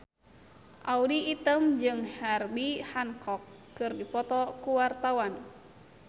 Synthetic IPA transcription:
ʔaudiːt̪əmd͡ʒɨŋharbihaŋkɔkː | ɨrdipɔt̪ɔkuwart̪awan

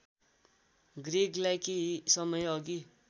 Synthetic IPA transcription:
ɡreɡlajkiɦisʌmʌjʌɡi

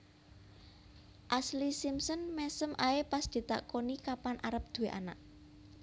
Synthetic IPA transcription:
ʔaslisimsənmɛsəmʔaepasd̪̥i̤t̪a̰ʔkonikapanʔaɾəp̚d̪̥ṳweʔa̰naʔ

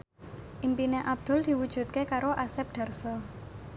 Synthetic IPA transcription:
ʔimpineʔab̚d̪̥ʊ̤ld̪̥i̤wud̥ʒ̥ṳt̪̚kekaɾoʔasɛp̚ɖ̪̥a̤rsɔ

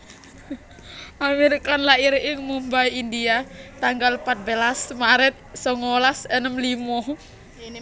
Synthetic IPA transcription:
ʔameɾikanlaʔiɾɪŋmumbajind̪iat̪aŋɡalpat̪̚belasmaɾɛt̪̚sɔŋolasenəmlimɔh

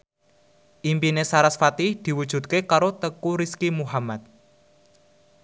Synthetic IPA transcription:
ʔimpinesaɾasfat̪ihd̪̥i̤wud̥ʒ̥ṳt̪̚kekaɾot̪əkuɾiskimuɦamat̪̚

